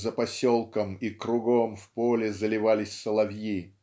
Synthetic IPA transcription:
zəpɐsʲolˠkəmikɾʊɡomfpolʲɪzəlʲɪvalʲɪsʲsəlˠɐvji

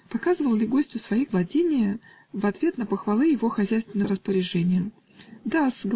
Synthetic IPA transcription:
pɐkazɨvəlˠlʲɪɡo̞sʲtʲʊsvɐiɡlˠɐdʲenʲɪjə | vɐt̪vʲe̞t̪nəpəxvɐlˠɨjɪvo̞xɐzʲæjst̪vʲɪnːəɾəspəɾʲɪʐɛnʲɪjə | d̪asɡ

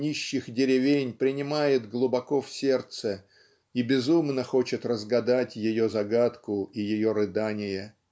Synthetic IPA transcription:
nʲiɕːɪxdʲɪɾʲɪvʲenʲpɾʲɪnʲɪmajɪt̪ɡlˠʊbɐko̞fsʲe̞rt̪sə | ibʲɪzumnəxo̞t͡ɕɪt̪rəzɡɐd̪atʲjɪjo̞zɐɡat̪kʊijɪjo̞ɾɨd̪anʲɪjə

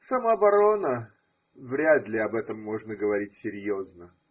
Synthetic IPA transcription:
sɐmabɐɾo̞nə | vɾʲad̪lʲɪɐbɛt̪əmːo̞ʐnəɡəvɐɾʲitʲsʲɪɾʲjo̞znə

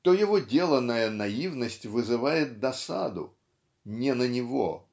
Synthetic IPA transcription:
t̪ojɪvodʲe̞lˠənːəjənɐivnəsʲtʲvɨzɨvajɪt̪̚d̪ɐsa̰d̪ʊ̰ | nʲɪnənʲɪvo̰

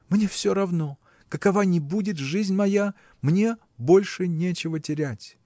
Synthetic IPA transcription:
mnʲe̞fsʲoɾɐvno̞ | kəkɐvanʲɪbudʲɪt̪ʐɨzʲnʲmɐja | mnʲe̞ | bo̞lʲʂɨnʲe̞t͡ɕɪvətʲɪɾʲætʲ

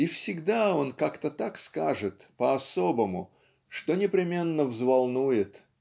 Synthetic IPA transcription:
ifsʲɪɡd̪ao̞nkakt̪ət̪akskaʐɨt̪pəɐso̞bəmʊ | ʂt̪onʲɪpɾʲɪmʲe̞nːəvzvalˠnujɪt̪

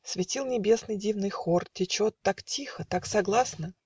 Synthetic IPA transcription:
svʲɪtʲilˠnʲɪbʲe̞snɨjdʲivnɨjxortʲɪt͡ɕo̞t̪ːaktʲixət̪aksɐɡlˠasnə

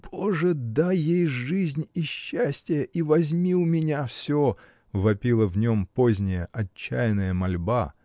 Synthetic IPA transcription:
b̥oʐɨd̪ajejʐɨzʲnʲiɕːæsʲtʲɪjəʔivɐzʲmʲiʊmʲɪnʲafsʲo | vɐpʲilˠəvnʲo̞mpozʲnʲɪjəʔɐt͡ɕːæjɪnəjəmɐlʲba̰

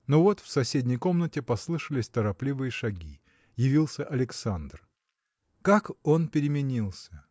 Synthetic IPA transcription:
novo̞t̪fsɐsʲedʲnʲɪjko̞mnətʲɪpɐslˠɨʂəlʲɪsʲt̪əɾɐplʲivɨjəʂɐɡʲi | jɪvʲilˠsʲəʔɐlʲɪksand̪r | kako̞npʲɪɾʲɪmʲɪnʲilˠsʲə

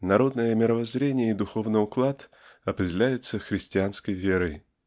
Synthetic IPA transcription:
nɐɾo̞d̪nəjəmʲɪɾəvɐzɾʲenʲɪjəid̪ʊxo̞vnɨjʊklˠat̪ | ɐpɾʲɪdʲɪlʲæjʊt̪səxɾʲɪsʲtʲɪanskəjvʲe̞ɾəj

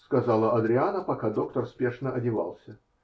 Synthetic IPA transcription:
skɐzɑlˠəɐd̪ɾʲɪanəpɐkad̪o̞k̚t̪ərspʲe̞ʂnəʔɐdʲɪvɑ̰lˠsʲə

